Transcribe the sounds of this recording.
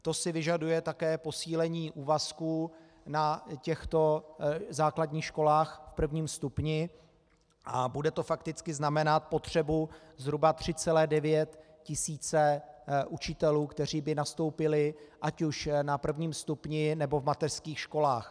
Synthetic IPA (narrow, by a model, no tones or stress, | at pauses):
t̪o̞sɪvɪʒadujɛt̪akɛːpo̞siːlɛɲiːʔuːvaskuː | nacɛxt̪o̞zaːkladɲiːxʃko̞laːxfpr̩vɲiːmst̪upɲɪ | ʔabudɛt̪o̞fakt̪ɪt͡skɪznamɛnat̪̚po̞t̪r̝̥ɛbuzɦɾubat̪r̝̥ɪt͡sɛlɛːdɛvjɛt̪ | cɪsiːt͡sɛʔut͡ʃɪt̪ɛluːkt̪ɛr̝iːbɪnast̪o̞wpɪlɪʔacuʃnapr̩vɲiːmst̪upɲɪnɛbo̞vmat̪ɛr̥skiːxʃko̞laːx